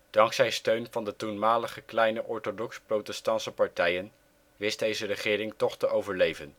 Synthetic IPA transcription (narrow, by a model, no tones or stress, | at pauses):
d̥ɑŋksɛjstøɥnvɑndətunmaːləχəklɛjnəʔɔɹtodɔksprowtɛstɑnsəpɑɹtɛjən | ʋɪsdejzərəχɪːɾɪŋtɔχtəʔowvəɹlejvən